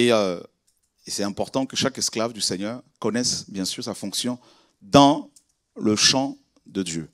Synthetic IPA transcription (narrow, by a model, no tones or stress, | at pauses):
eø | esɛt̪ɛ̃pɔʁt̪ɑ̃kəʃakɛsklavd̪ysɛɲœʁkɔnɛsbjɛ̃syʁsafɔ̃ksjɔ̃ | d̪ɑ̃ | ləʃɑ̃ | d̪əd̪jø